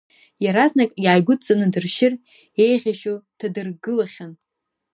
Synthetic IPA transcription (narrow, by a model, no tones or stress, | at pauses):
jaɾaznakʼjaːjɡʷʊt͡sʼanɨdɨrʃɪr | e̞jʁʲaʃotʰadɨrɡɨlaχʲan